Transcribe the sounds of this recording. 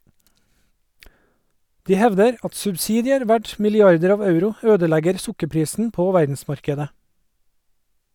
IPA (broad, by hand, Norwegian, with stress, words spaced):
ˈdiː ˈhɛʋdəɾ ˈɑt sʉbˈsiːdɪəɾ ˈʋæʈ mɪlɪˈɑɾdəɾ ˈɑːʋ ˈɑʉɾʊ ˈøːdəˌlæɡəɾ ˈsʊkəˌpɾiːsn̩ ˈpoː ˈʋæɾdn̩ˌsmɑɾkədə